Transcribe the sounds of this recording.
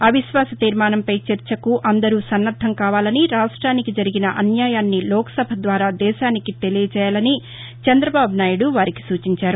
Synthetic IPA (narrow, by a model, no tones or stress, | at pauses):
ɐʋiʃʋaːsɐt̪iːɾmaːnɐmpɐjt͡ʃɐɾt͡ʃɐkuʔɐnd̪ɐɾuːsɐnːɐɾd̪ʱːɐŋkaːʋaːlɐniɾaːʂʈɾaːnikid͡ʒɐɾiɡinɐʔɐnjaːjaːnːilɔːkɐ̥sɐbʱɐd̪ʋaːɾaːd̪ɛːʃaːnikit̪e̞lijɐt͡ʃɛːjaːlɐni | t͡ʃɐnd̪ɾɐbaːbunaːjuɽuʋaːɾiki̥suːt͡ʃiɲt͡ʃaːɾu